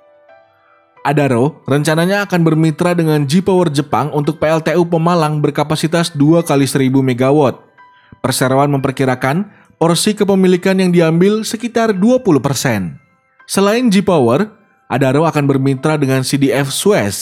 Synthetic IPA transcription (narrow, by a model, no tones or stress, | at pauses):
ʔadaɾorəɲt͡ʃanaɲaːkanbərmit̪ɾadəŋand͡ʒipawərd͡ʒəpaŋunt̪ʊk̚peɛlt̪eupəmalaŋbərkapasit̪asduakalisəɾibumeɡawɔt̪̚ | pərseɾoanməmpərkiɾakan | pɔrsikəp̬əmilikanjaŋdiambɪlsəkit̪arduapuluhpərsɛn | səlaɪnd͡ʒipawər | ʔadaɾoakanbərmit̪ɾadəŋansidiɛfsuɛs